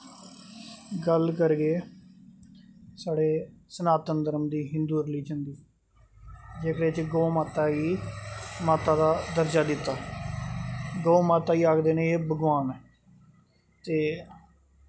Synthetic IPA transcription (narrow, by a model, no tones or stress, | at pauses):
ɡəlkəɾɡeː | saːɽeːsənaːt̪ənd̪əɾəmd̪iːɦɪnd̪uːɾliːd͡ʒənd̪iː | d͡ʒeːkɽeːt͡ʃɡoːmaːt̪aːiː | maːt̪aːd̪aːd̪əɾd͡ʒaːd̪ɪt̪ːaː | ɡoːmaːt̪aːiːaːkd̪eːneːeːbəɡʋaːn | t̪eː